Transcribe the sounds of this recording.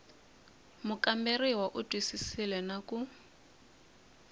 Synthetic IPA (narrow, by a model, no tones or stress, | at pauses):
mʊkambɛrɪwaʔʊtʼwisisilɛnaku